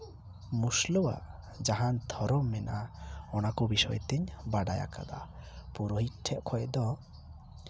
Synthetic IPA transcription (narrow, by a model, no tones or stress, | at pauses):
muslɔwa̰ | d͡ʒaɦand̪ʰʱɔɾɔmːɛnʔaɔnakɔbisɔjt̪ɛɲbaɖaja̰ka̰d̪a̰puɾɔɦiʈʰɛʔ̚kʰɔɛd̪ɔ